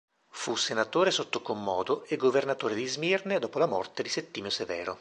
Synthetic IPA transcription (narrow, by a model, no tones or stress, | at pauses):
fusenat̪oːɾesot̪ːokomːɔːd̪oeɡːovernat̪oːɾed̪izmirned̪ɔːpolamɔ̰rt̪ed̪iset̪ːiːmosevɛ̰ːɾo̰